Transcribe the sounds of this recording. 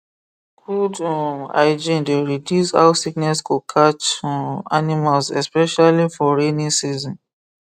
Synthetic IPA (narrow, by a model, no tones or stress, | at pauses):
kʰudɔa̰ɪd͡ʒĩndeɹidjusa̰wsiknɛskukʰat͡ʃanimalsɛspɛʃalifɔɹenĩsizɔ̃n